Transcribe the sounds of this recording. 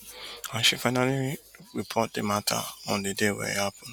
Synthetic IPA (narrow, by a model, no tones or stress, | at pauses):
aʃufaɪnaliɹipʰɔt̚dematʰa̰ɔ̃ndedewɛ̰hapʊ̃n